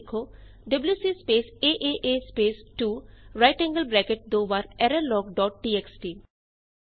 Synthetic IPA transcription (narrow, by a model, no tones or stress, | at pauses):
kʰo | ɖɐbljuːsispeːseʔeʔespeːsʈuɾaɪʈɛ̃ŋɡəlbɾɛkeʈ̚d̪obaɾɛɾellɔɡɖɔːʈ̚ʈieksʈi